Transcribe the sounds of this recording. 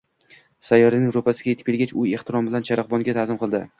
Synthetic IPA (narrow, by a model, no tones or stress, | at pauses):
sajːɒɾɪnɪŋɾopasɪ̥ɡʲajet̪ʰɪ̥p̚ʰʲːelɡʲat͡ʃʊe̞χt̪ʰɪɾɒmbɪlant͡ʃʰaɾɑqbɒŋɡʲat̪ʰazɪmqʰɨlˠd̪ɪ